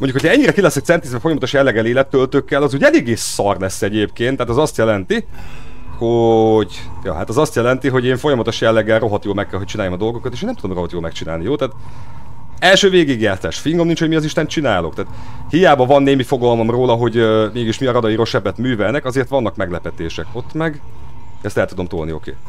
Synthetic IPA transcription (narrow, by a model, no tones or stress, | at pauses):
moɲɟukʰhocʰɛɲːiɾɛkilɛsɛk̚t̪sɛnt̪izbɛfo̞jɒmɒt̪oʃjɛlːɛɡɛleːlɛt̪ːølt̪økːɛlɒzuːɟɛleːɡːeːsːɒrlɛsːɛɟeːpkeːnt̪ːɛaːt̪zɒst̪jɛlɛnt̪i | ho̞ɟjɒ̰ːha̰t̪ɛzɒst̪jɛlɛnt̪iɦo̞ɟeːɱfo̞jɒmɒt̪o̞ʃjɛlːɛɡːɛlro̞ɦɒt̪joːlmɛkːɛlɦoct͡ʃinaːjomɒd̪o̞lɡokɒt̪eʃenɛmt̪ud̪mro̞ɦɒt̪joːlmɛkt͡ʃina̰ːlnijoːlt̪aːt̪ | ɛlʃøːveːɡiɡjaːsa̰ːʃfiŋɡo̞mnint͡ʃhomiɒziʃt̪ɛnt͡ʃinaːlo̞kt̪aːt̪ | hijaːbɒvɒnːeːmifo̞ɡɒlmo̞mroːlɒɦo̞ɟmeːɡiʃmiɒɾɒd̪ɒiɾo̞ʃɛbːɛt̪myːvɛlnɛkɒzeːrt̪ʋɒnːɒkmɛɡlɛpɛt̪eːʃɛko̞t̪mɛɡ | ɛst̪ɛlt̪ud̪o̞mt̪olnio̞̰kḛː